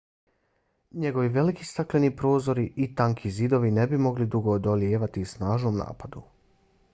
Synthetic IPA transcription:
ɲe̞ɡo̞ʋiʋe̞likist̪aklenipɾo̞ːzo̞ɾiʔit̪aŋkʰizid̪o̞ʋine̞bimo̞ɡlid̪uɡoːd̪olijeːʋat̪isnaːʒnoːmna̰ːpad̪u

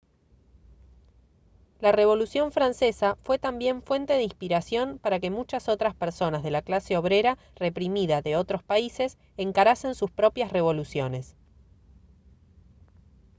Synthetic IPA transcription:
lare̞β̞o̞lusjo̞ɱfɾanse̞safwe̞t̪ambje̞ɱfwe̞nt̪e̞ðeinspiɾasjo̞npaɾake̞mut͡ʃaso̞t̪ɾaspeɾso̞nazðe̞laklase̞o̞β̞ɾe̞ɾa | re̞pɾimiðaðe̞o̞t̪ɾo̞spaise̞s | eŋkaɾase̞nsuspɾo̞pjasre̞βo̞lusjo̞ne̞s

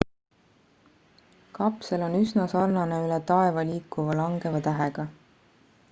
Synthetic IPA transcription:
kɑpse̞lo̞nysnɑsɑrnɑneylɛt̪ɑe̞vɑliːkːˑuvɑlɑŋɡ̥evɑt̪æɦeɡ̥ɑ

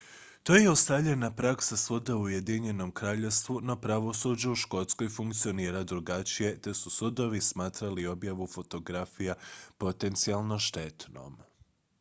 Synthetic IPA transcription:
t̪o̞jeust̪avʎe̞napɾaksasud̪auje̞d̪iɲe̞no̞mkɾaːʎe̞st̪ʋuno̞pɾaʋo̞sud͡ʑauʃko̞t̪sko̞jfuŋkt̪sio̞niːɾad̪ɾuɡat͡ʃije̞t̪e̞susud̪o̞ʋismaːt̪ɾalio̞bjaʋufo̞t̪o̞ɡɾafijapo̞t̪e̞nt̪sialˠno̞ʃt̪e̞t̪no̞̰m

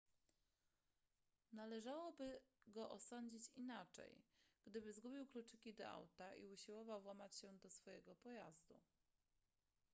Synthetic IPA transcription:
nalɛʐawɔbɘɡɔʔɔsɔɲd͡ʑit͡ɕinat͡ʂɛ̰jɡ̥d̪ɘbɘzɡubʲiwklut͡ʂɘkʲid̪ɔ̰ʔa̰wt̪aʔḭuɕiwɔvawːwamat͡ɕɕɛd̪ɔsfɔjɛɡɔpɔjazd̪ṵ

